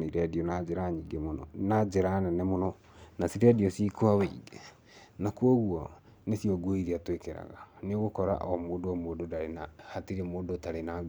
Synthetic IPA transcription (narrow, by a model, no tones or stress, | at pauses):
iɾɛdiɔnad͡ʒɛɾaɲiɡemonɔ̰nad͡ʒɛɾanɛnɛmonɔ | nasiɾɛdiɔsikoaweɡe | nakwɔɣuɔ | nesiɔɡoiɾiatwekeɾa̰ɣaneoɣokɔɾa̰ʔɔmoːdoɔmoːdodaɾenahatiɾemoːdotaɾena